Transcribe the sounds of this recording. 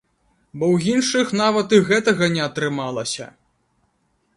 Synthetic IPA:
bɔwjinʂɨxn̪avɐt̪ɨɣɛt̪ɐɣɐnʲɛɐt̪ɾɨmalˠɐsʲɐ̰

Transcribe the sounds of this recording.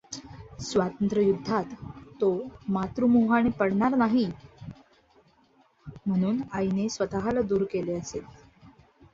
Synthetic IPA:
sʋat̪ənt̪ɾəjud̪ʱːat̪ːomat̪ɾumuɦañepəɽɳaɾnaɦi | m̤əɽ̃uːnainesʋət̪aɦalad̪uːɾkeleəset̪

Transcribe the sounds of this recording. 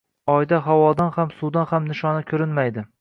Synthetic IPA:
ɒjd̪aɦawɒd̪anhamsud̪anhamnɪʃɒnakʲʰɵɾɪnmajd̪ɪ

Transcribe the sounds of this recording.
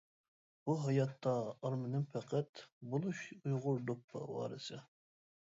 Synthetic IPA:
b̥uɦɑjɑt̪ʰːɑːɾmɪnɪmfʰæqʰɛt̪bolˠuʃujʁʊɾd̪opʰːɑ̰wɑ̰ːɾɨsɨ

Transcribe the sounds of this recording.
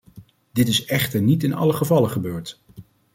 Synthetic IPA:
dɪtɪsɛχtəɹnitɪnɑ̰ləχəvɑləχəbøːɹt

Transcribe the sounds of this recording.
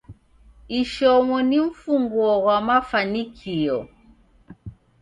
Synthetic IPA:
iʃɔŋɔniɱ̩fuŋɡɔɣwamafanikʰiɔ

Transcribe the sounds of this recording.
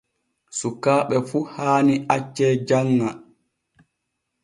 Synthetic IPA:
sukːaːɓɛfuhaːniʔat͡ʃːɛd͡ʒaŋːa

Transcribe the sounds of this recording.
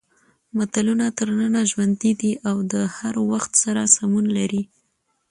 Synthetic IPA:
mat̪alunat̪əɾnənaʒwand̪id̪iʔawd̪əhaɾwaxt̪saɾasamunlaɾi

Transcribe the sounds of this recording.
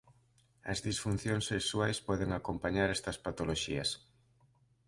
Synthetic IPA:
ɐ̰zðisfun̟θjõŋsːeksuajspɔðeŋakompaɲaɾɛst̪ɐspat̪oloʃiɐ̰s

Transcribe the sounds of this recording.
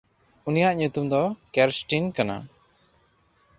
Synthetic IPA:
unijaʔɲut̪umd̪ɔkɛɾsʈinkana̰

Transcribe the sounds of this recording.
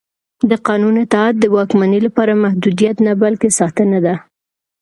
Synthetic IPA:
d̪əqɑnunɪt̪at̪̚d̪əwɑkmanəlapɑɾamahd̪ud̪ijat̪nabalkesɑt̪ənad̪a

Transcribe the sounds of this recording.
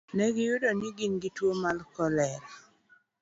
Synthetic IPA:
nɛɡɪjʊdɔnɪɡɪnɡɪtwomalkɔlɛl

